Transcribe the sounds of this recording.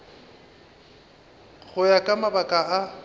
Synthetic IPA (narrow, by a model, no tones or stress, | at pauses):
ɣʊjakʼamabakʼaa